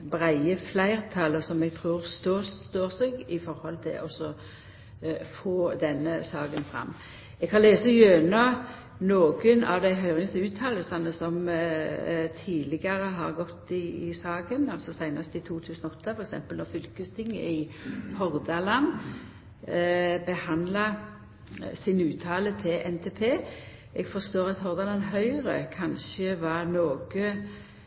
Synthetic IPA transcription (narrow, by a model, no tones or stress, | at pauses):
bʁæɪəflæɪʁt̪ʰɑləsɔmɛɡ̚t̪ʰʁuːʁst̪oːt̪oːʁsɛɡɪfɔɾhɔlt̪ʰɪ̰lʔɔsɔ | foːd̪ɛnːəsɑːɡənfʁɑ̰mː | ɛɡhɑnleːsəjøːnɑ | noːɡənɑ̰ʋd̪æɪɦœʏʁɪŋsʉːt̪ʰːɑːləsɑnəsɔm | t̪ʰiːlɪɡɑʁəɦɑʁɡɔt̪ːɪɪsɑːɡənɑlsɔsæɪnɑst̪əɪt̪ʰuːt̪ʰʉːsənɔɔt̪ʰːɑfɔɾɛksɛ̰mpəlnɔʁfʏlkəst̪ʰɪŋːə̰ɪhɔʁd̪ɑlɑn | bəhɑnd̪lɑ | sɪnʉːt̪ʰɑːlət̪ʰɪlʔɛnt̪ʰeːpʰeː | ɛɡfɔʁst̪oːʁɑt̪hɔʁd̪ɑlɑnɦœʏɾə̰kʰɑnʃəʋɑʁnoːɡ̥ə